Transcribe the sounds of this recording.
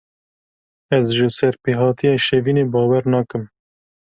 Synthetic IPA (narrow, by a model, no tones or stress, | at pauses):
ɛzʒɨsɛɾpiːɦɑːt̪ʰijɑːʃeviːneːbɑːwɛɾnɑːkɨm